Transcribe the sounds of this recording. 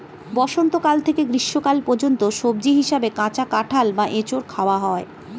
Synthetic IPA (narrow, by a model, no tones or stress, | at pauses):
bɔʃont̪okalt̪ʰekeɡɾiʃːokalpɔɾd͡ʑont̪oʃob̚d͡ʑiɦiʃabekãt͡ɕakaʈʰalbaʔet͡ɕoɾkʰaoaɦɔe